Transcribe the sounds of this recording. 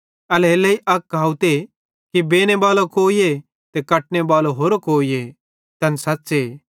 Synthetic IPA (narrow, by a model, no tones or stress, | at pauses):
ɐlɦeːlɐiʔɐkkːaːut̪e | kibeːñebaːlokoːije | t̪ekɐʈ̚nebaːloɦoːɾokoːije | t̪ɐnsɐtːseː